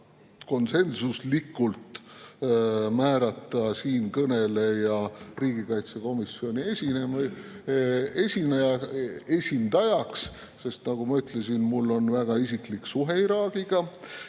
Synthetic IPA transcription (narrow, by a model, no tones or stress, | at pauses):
ko̞nse̞nsuslikːˑult̪ | mæːɾɑt̪ːˑɑsiːnkɤne̞le̞jɑriːɡ̥ikɑjt̪seko̞misio̞nʲiesʲinem | e̞sʲinɑjɑe̞sʲind̪̥ɑjɑks | se̞st̪nɑɡ̥umɑyt̪lesinmulːo̞nvæɡ̥ɑisikliksuɦe̞iɾɑːɡ̥iɡ̥ɑ